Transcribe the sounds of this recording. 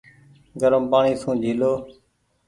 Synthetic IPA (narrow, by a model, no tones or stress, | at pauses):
ɡəɾəmpaːɳiːsũːd͡ʒʱiːloː